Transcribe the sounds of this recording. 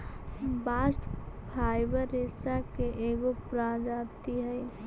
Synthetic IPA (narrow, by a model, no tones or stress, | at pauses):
baːsʈpʰaːɪbəɾːesakeʔeːɡopɾad͡ʒaːt̪iɦɛj